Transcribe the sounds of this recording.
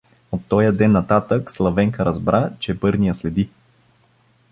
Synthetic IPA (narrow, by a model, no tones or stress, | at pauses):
ot̪ːɔjəd̪ɛnːɐt̪at̪əkslˠɐvɛŋkəɾɐzbɾʔat͡ʃɛpɤɾnijəslɛd̪i